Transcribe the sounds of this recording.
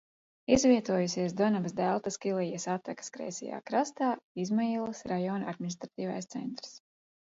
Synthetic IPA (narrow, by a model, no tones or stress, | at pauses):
izvʲiɛt̪uɔjusiɛsd̪ɔnabsd̪ælˠt̪askilˠijasat̪akḁskɾɛ̰jsʲɛ̰ja̰ːkɾast̪aːizmailˠɐsɾajɔnad̪̚minist̪ɾat̪iːva̰jst̪sɛ̰nt̪ɾs